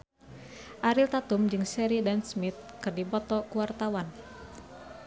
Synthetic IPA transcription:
ʔaɾilt̪at̪umd͡ʒɨŋsɛɾidansmit̪̚kɨrdipɔt̪ɔkuwart̪awan

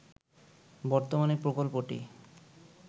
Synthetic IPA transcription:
bɔɾt̪omaneɾpɾokolpoʈḭ

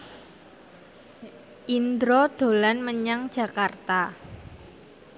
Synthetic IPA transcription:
ʔind̪ɾod̪̥o̤lanməɲaŋd̥d͡ʒʒ̥a̤kart̪a

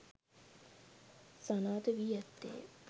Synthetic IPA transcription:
sanaːt̪əʋiæt̪ːḛː

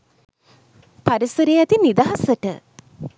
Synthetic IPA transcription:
paɾisəɾejæt̪inid̪aɦasəʈə̰

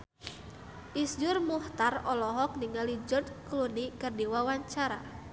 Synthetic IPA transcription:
ʔisd͡ʒʊrmuht̪arɔlɔɦɔk̚niŋalid͡ʒɔrd̪̚klunikɨrdiwawaɲt͡ʃaɾa

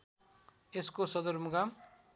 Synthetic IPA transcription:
eskosʌd̪ʌrmʌɡam

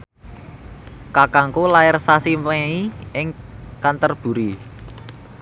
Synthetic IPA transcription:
kakaŋkolaɪrsasimweiɪŋkant̪ərb̥ṳɾi

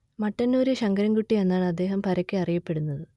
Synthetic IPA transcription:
mɐʈːɐnːuːɾeɕɐŋɡɐɾɐŋɡuʈːie̞nːaːɳɐd̪ːe̞ːɦɐmpɐɾɐkʲːɨɐrijɐpːe̞ɽunːɐðɨ

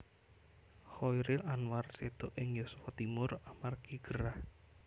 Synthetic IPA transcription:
hɔjɾɪlanwarsed̪̥ɔʔɪŋjosu̥fat̪imʊramarkiɡ̥əɾah

